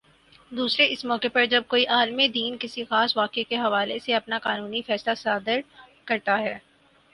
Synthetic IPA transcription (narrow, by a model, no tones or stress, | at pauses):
d̪uːsɾeɪsmɔːkepɐɾd͡ʒɐb̚koːiʔaːlmid̪iːnkɪsixaːsʋaːkekeɦɐʋaːleseɐpnakaːnuːnifɛːslasaːd̪ɪɾ | kɐɾt̪aɦɛː